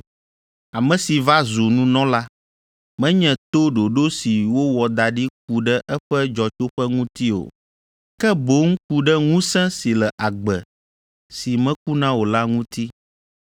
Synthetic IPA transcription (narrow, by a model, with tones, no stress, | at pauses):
a˨mɛ̃˨si˨va˦zo˨nũ˦nɔ̃˦la˦ | mɛ̃˦ɲɛ̃˨t̪o˦ɖo˨ɖo˦si˨wo˦wɔ˨d̪a˨ɖi˦k̚u˨ɖɛ˦ʔɛ˦ɸɛ˦d͡ʒɔ˨t͡ʃo˦ɸɛ˦ŋũ˦t̪i˦o̰˨ | kɛ˦bo˨˦ŋ̩˦ku˦ɖɛ˦ŋũ˦sɛ̃˦si˨lɛ˨ʔa˨ɡ͡bɛ˨ | si˨mɛ̃˦ku˦nã˦wo˨la˦ŋũ˦t̪i˦